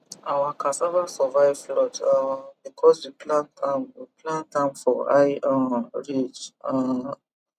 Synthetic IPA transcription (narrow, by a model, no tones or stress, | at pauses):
awakʰãsɛvasɔvajvflɔtabikʰɔswiplãtãmwiplãntãmfɔa̰jãɹit͡ʃa